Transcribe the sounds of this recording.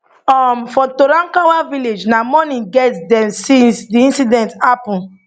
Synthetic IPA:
ɔmfɔtoɾãŋkawaviled͡ʒnamɔnĩɡɛtdɛ̃msĩnsdiĩnsidɛ̃nthapɔ̃n

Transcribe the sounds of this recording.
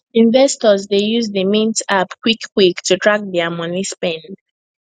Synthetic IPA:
ĩnvɛstɔzdejuzdəmĩntapkwikːwiktʰutʰɹak̚ðɛamʌnispɛ̃nd

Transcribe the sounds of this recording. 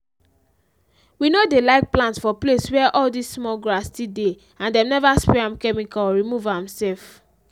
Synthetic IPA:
winodelaɪk̚plãntsfɔpleswɛʔɔldisːmɔɡɹastide | ãndɛ̃mnɛvaspɛãmkɛmikaɔɹimuvãmsɛlf

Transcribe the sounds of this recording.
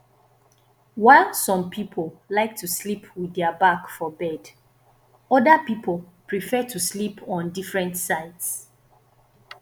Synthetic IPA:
waɪlˠsɔ̃mpʰipʰəlˠlaɪk̚tʰuslipʰwiðɛəbakfɔbɛd | ɔdəpipʰolˠ | pʰɹifɛtʰuslipʰɔ̃ndifɹɛ̃ntsaɪds

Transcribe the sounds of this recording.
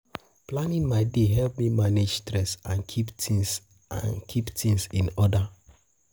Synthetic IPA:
planĩnmaɪdeɦɛlp̚mimaned͡ʒstɾɛsãnkʰiptis | a̰nkʰiptʰĩŋsĩnɔda

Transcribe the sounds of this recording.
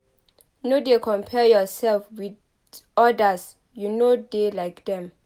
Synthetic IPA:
nodekʰɔ̃mpʰɛjɔsɛlfwid | ɔdas | junodelajkdɛ̃m

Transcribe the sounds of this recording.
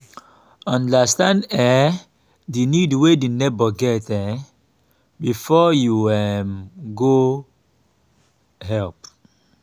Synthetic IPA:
ɔ̃ndastãndɛ | dinidwedinɛbaɡɛtɛ | bifɔjuɛmɡo | hɛlp

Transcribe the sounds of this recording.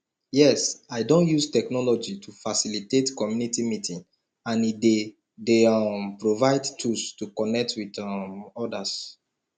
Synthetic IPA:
jɛsaɪdõnjustɛknɔlɔd͡ʒitʰufasilitetkɔmjunitimitĩn | ãnide | dempɹovaɪdtʰulstukɔnɛk̚twidmɔdas

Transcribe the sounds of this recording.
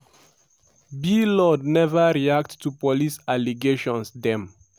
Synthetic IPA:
bilɔdnɛvəɹiak̚ttːupɔlisaliɡeʃɔ̃nsd̪ɛ̃m

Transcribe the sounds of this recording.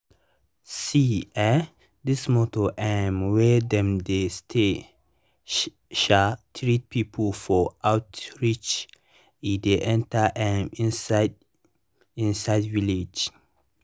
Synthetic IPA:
siɛ | dismɔtoʔɛmwɛdɛ̃mdestʰe | ʃatʰɹit̚pʰipʰəlfɔʔaʊtɹit͡ʃ | ideʔɛ̃ntaʔɛmd | ĩnsaɪdvilid͡ʒ

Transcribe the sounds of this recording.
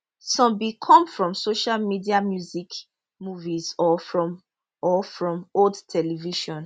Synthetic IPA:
sɔ̃mbikʰɔ̃mfɹɔ̃msoʃalmidiamjuzik | muvizɔfɹɔ̃m | ɔfɹɔ̃moldtʰɛliviʃɔ̃n

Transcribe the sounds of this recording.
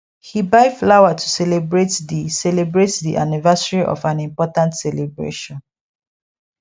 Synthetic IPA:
hibaɪflawatʰu̥sɛlebɹetdisɛlebɹetdiʔanivasaɹiʔɔ̰fãnĩmpɔtãntsɛlebɹḛʃɔ̃n

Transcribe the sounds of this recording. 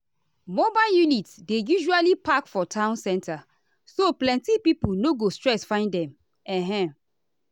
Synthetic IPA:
mobaɪljunitsdejuʒualipakfɔtʰãʊ̃nsɛ̃nta | soplɛ̃ntipipunoɡostɹɛsfãɪ̃ndɛ̃m | ɛ̃ɦɛ̃

